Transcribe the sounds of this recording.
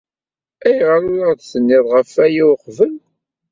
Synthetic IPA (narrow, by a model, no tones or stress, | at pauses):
æjʁəɾʊɾaʁd̪sənːɪðˤʁəfæjiwqvəl